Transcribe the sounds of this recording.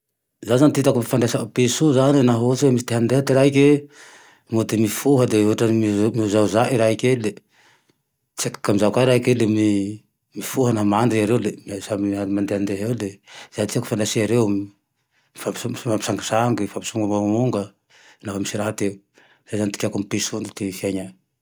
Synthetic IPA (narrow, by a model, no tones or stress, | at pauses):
zazanit̪it̪akumifand̪esapesuzaninaɦut͡siwemisit̪eɦand̪eɦat̪iɾaikʲe | mut̪imifuɦəd̪euɦʈ͡ʂamimiuzazaʔiɾaikʲele | t͡siakḁkamizakaiɾaikelemi | mifuɦənamaɳɖ͡ʐiaɾewlemiasamianimand̪eɦand̪eɦewlez̥at̪iaku̥fanasiaɾew | fapsumapisaŋɡasaŋɡifampi̥suŋɡamamuŋɡə | nafamisiɾaɦat̪e | z̥ajzanit̪i̥kʲakumipesunut̪efiaɲa